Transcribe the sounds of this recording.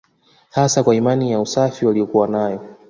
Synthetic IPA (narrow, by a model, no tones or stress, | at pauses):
hasakwaimanijausafiwalijɔkuwanajɔ